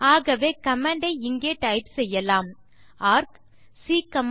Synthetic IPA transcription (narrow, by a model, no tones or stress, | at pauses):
aːɣɐʋeːkɐmɐɳɖɐɪɪŋɡeːʈɐɪpsɛjːɐlaːm | aːɾk | siːkɐm